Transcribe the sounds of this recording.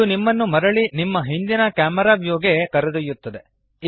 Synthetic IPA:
unimːɐnːumɐɾɐɭinimːɐɦind̪inɐkjaːmɐɾaːbjoːɡekɐɾɐd̪ɐjut̪ːɐd̪e̞ | i

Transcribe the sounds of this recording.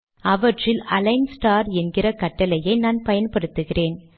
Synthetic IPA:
ɐʋɐʈrɪlɐlɐɪnsʈaːɾɛnɡɪrɐkɐʈːɐlɐjɐɪnaːnpɐjɐnpɐɽɯt̪ːɯɣɪreːn

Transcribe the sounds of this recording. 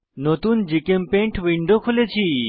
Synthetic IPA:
not̪und͡ʒikempẽɳʈʰʋiɳɖokʰolet͡ʃʰi

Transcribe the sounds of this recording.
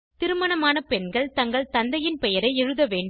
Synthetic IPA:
t̪ɪɾɯmɐnɐmaːnɐpɛnɡɐɭt̪ɐŋɡɐɭt̪ɐnd̪ɐjɪnpɛjɐɾɐɪɛɻɯðɐʋeːɳɖ

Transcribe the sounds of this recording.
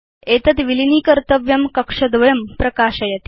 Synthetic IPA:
et̪ət̪ʋiliniːkəɾt̪əʋjɐmkəkʂɐd̪ʋɐjɐmpɾɐkaʂɐjɐt̪i̥

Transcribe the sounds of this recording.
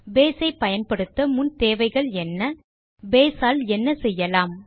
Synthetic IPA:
beːsɐɪpːɐjɐnpɐɽɯt̪ːɐmʊnt̪eːʋɐɪɣɐɭɛnːɐ | beːsaːlɛnːɐsɛjːɐlaːm

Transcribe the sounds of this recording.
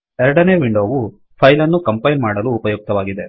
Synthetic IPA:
ɛɾɐɽɐne̞ːʋiɳɖo̞ːʋu | pʰɐjlɐnːukɐmpɐjnmaːɽɐluːpɐjuːk̚t̪ɐʋaːɡid̪e̞

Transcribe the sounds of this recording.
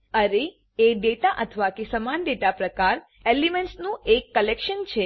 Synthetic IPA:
əɾe | eɖeʈaʔət̪ʰəʋakesəmanɖeʈapɾəkaɾ | elimɛ̃ɳʈsnũʔekːəlekʃənt͡ʃʰe

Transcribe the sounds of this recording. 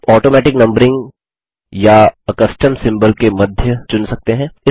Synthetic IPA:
ɔːʈoːmɛːʈɪknɐ̃mbəɾɪ̃ŋɡ | jaɐkəsʈəmsɪ̃mbəlkemɐd̪ʱjət͡ʃʊnsɐk̚t̪eɦɛ̃ːɪ

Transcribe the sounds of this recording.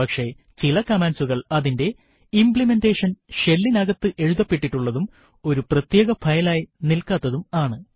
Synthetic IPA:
pɐkʂe̞ | t͡ɕilɐkɐmaːnsuɣɐɭɐðinde̞ | impɭime̞ndeːʂɐnʂe̞lːinɐɣɐt̪ːɨʔe̞ɻuðɐpːeʈːiʈːuɭːɐðum | o̞ɾuprɐt̪je̞ːɣɐfʰɐjɐlaːjinilkaːt̪ːɐðumaːɳɨ

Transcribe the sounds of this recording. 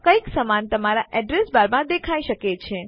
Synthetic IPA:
kəiksəmant̪əmaɾaʔɛɖɾesbaɾmãd̪ekʰaiʃəket͡ʃʰe

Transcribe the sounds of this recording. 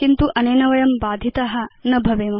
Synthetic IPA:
kint̪uʔɐneːnɐʋɐjɐmbaːd̪ʱjit̪ɐɦɐ̆nɐbʱɐʋeːmɐ

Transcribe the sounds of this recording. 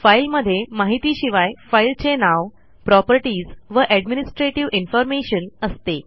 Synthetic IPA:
fajlməd̪ʱːjemaɦit̪iːɕiʋajfailt͡senaʋ | pɾɔpəɾʈiːd͡zʋəʔæɖminisʈɾeʈiʋinfɔɾmeɕənəst̪e

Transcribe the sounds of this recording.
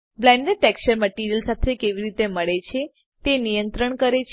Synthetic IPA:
blɛ̃ɳɖeɖ̚ʈɛkst͡ʃəɾməʈiɾijəlsat̪ʰekeʋiɾit̪eməɭet͡ʃʰe | t̪enijənt̪ɾəɳkəɾet͡ʃʰ

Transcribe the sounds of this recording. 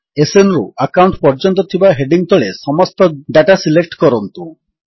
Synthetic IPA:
esenɾuʔakawɳʈpɔɾd͡ʒɔnt̪̬ɔt̪ʰibaɦeɖiŋt̪ʰɔɭesɔmɔst̪ɔɖaʈasilek̚ʈkɔɾɔnt̪u

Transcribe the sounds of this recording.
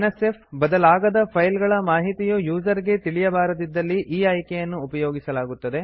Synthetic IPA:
nɐse̞pʰbɐd̪ɐlaːɡɐd̪ɐpʰɐjlɡɐɭɐmaːɦit̪ijujuːd͡ʒɐɾiɡe̞t̪iɭijɐbaːɾɐd̪id̪ːɐlːiʔiːɐjkejɐnːuːpɐjo̞ːɡisɐlaːɡut̪ːɐd̪e̞

